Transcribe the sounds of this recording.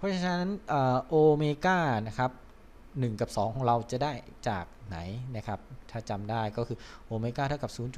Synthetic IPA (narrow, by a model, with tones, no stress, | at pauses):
pʰɔ˦˥˩t͡ɕʰa˧na˥na˦˥nʔɤː˨˩ʔoː˧meː˧kaː˥˩na˦˥kʰa˦˥p̚ | nɯ˨˩ŋka˨˩p̚sɔː˩˦ŋʰɔː˩˦ŋɾa˧wt͡ɕa˨˩daː˥˩jt͡ɕa̰ː˨˩k̚na˩˦jna˦˥kʰa˦˥p̚t̪ʰaː˥˩t͡ɕa˧mdaː˥˩jkɔː˥˩kʰɯː˧ʔoː˧meː˧kaː˥˩t̪ʰa˥˩ka˨˩suː˨˩˦nt͡ɕu˨˩